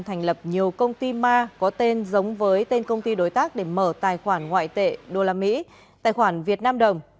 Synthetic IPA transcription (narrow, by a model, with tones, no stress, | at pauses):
t̪ʰɛ˨˩jŋ̟lə˨˩p̚ɲi˨˩əwkə˧wŋ͡mt̪i˧maː˧kɔ˨˦t̪e˧nzə˨˦wŋ͡mvəː˨˦jt̪e˧nkə˧wŋ͡mt̪i˧ɗo˨˦jt̪aː˦˥k̚ɗe˧˩məː˧˩t̪a̰ː˧˨jxwaː˧˩nŋwa̰ː˧˨jt̪ḛ˧˨ɗo˧˩laː˧mḭ˧˥ | t̪a̰ː˧˨jxwaː˧˩nvi˨˩ət̚naː˧mɗə˨˩wŋ͡m